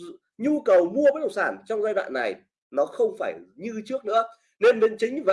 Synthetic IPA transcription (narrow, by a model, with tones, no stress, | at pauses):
ɲu˧kə˨˩wmu˧əva˨˦ɗə˨˩wŋ͡msaː˧˩nt͡ɕɔ˧wŋ͡mzaː˧jɗwa̰ː˧˨nːa˨˩j | nɔ˨˦xə˧wŋ͡mfaː˧˩jɲɨ˧t͡ɕɨ˦˥ək̚nɨ̰˧˥ə | ne˧nɓe˧nt͡ɕï˨˦ŋ̟va˨